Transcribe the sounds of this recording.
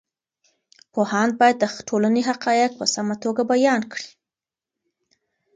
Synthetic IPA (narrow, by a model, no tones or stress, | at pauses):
pohɑn̚bɑjad̪ːəʈʰolaneɦaqɑjɪk̚pəsamat̪oɡabajɑnkɽi̥